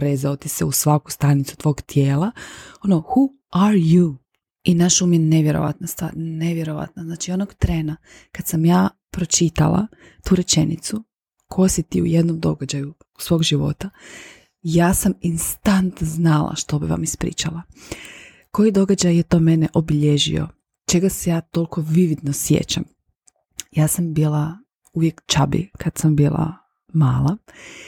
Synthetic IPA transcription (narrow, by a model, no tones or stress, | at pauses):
ɾezaot̪iseusʋaku̥st̪anit̪su̥t̪ʋo̞ːɡt̪jeːlˠaonoxu | aɾju | inaʃuːmjene̞ʋjeɾo̰ʋa̰t̪nast̪ʋa̰ːɾneʋjeɾo̞ʋa̰t̪naznaːt͡ʃionoɡt̪ɾeːna | kad̪samjaː | pɾot͡ʃit̪a̰lˠa̰ | t̪uːɾet͡ʃe̞nit̪su | kʰosit̪iṵje̞d̪nomd̪o̞̰ɡad͡ʑaju | u̥sʋo̞ːɡʒiʋo̞̰t̪a | jaːsaminst̪ant̪znalˠa̰ʃt̪o̞biʋa̰mispɾḭːt͡ʃalˠa | ko̞jid̪o̞ɡad͡ʒajːet̪o̞ːmeneʔobiʎeʒḭo̞̰ | t͡ʃe̞ɡasejaːt̪o̞lkʰo̞ʋiʋid̪nosjḛt͡ʃam | jaːsambiːlˠa | uʋjekt͡ʃabḭkʰad̪sambiːlˠa̰ | maːlˠa